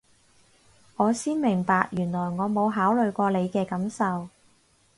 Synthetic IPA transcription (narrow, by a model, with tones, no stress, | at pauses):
ŋɔː˨˧siː˥nmɪ˨˩ŋpaː˧k̚jyː˨˩nlɔː˨˩jŋɔː˨˧mo˨˧wɦaː˨˥wlɵ˨ɥkʷɔː˧le˨˧jkɛː˧kɐ˨˥msɐ˨w